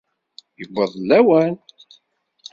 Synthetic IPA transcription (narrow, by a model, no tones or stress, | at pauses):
jəbʷːəðˤlːæwæn